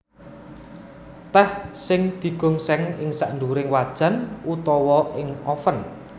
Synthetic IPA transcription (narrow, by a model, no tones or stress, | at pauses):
t̪ɛhsɪŋd̪̥i̤ɡ̥ʊ̤ŋsɛŋɪŋsaʔnduɾɪŋwad̥ʒ̥ä̤nut̪ɔwɔʔɪŋɔfən